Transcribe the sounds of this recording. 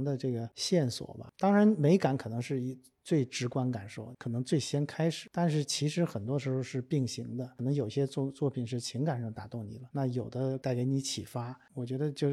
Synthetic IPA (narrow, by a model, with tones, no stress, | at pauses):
ŋd̪ə˧ʈ͡ʂɤ˥˩ɡə˩ɕjɛ˥˩nswɔ̰˨˩bɐ̰˦t̪ɑ˥ŋɻa˧˥nme˧˥ɪka˧˥nkʰɤ˨˩nɤ˧˥ŋʂɻ̩˥˧i˧˥˩ | t͡swe˥˩ɪʈ͡ʂɻ̩˧˥kwa˥nka˨˩nʂo˥˩ʊkʰɤ˨˩nɤ˧˥ŋt͡swe˥˩ɪɕjɛ˥nkʰa˥ɪʂɻ̩˨˩˦t̪a˥˧nʂɻ̩˥˩t͡ɕʰi˧˥ʂɻ̩˧˥xə˨˩nt̪wɔ˥ʂɻ̩˧˥xo˧ʊʂɻ̩˥˧pi˥˩ŋɕi˧˥ŋd̪ə˧˩nɤ˧˥ŋjo˨˩ʊi˧ɕjɛ˥t͡sɔ˥˧t͡swɔ˥˩pʰi˨˩nʂ̬ɻ̩˥˩t͡ɕʰi˧˥ŋka˨˩nʂɑ˥˩ŋt̪a˨˩t̪ʊ˥˩ŋnḭ˨˩lə˦na˥˩jo˨˩ʊd̪ə˦t̪a˥˩ɪke˧˥ɪni˧˥t͡ɕʰḭ˨˩fa˥wɔ˨˩t͡ɕɥɛ˧˥d̪ə˧t͡ɕjo˥˩ʊ